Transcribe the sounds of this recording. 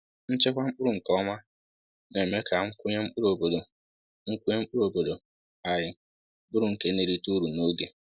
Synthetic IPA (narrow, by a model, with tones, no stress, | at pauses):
n̩˦t͡ʃe˦kʷa˦m̩˦k͡pʊ˦ɾʊ˨ŋ̩˨kɔ˦ma˦ | ne˨me˦ka˨ŋ̩˦ku˦ɲe˦m̩˦k͡pʊ˦ɾo˨bo˨do˨ | ŋ̩˦kʷu˦ɲe˦m̩˦k͡pʊ˦ɾo˨bo˨do˨ | a˨jɪ˨ | bʊ˦ɾʊ˨ŋ̩˨ke˦ne˨ɾi˦tu˦ɾu˨no˦ɡe˨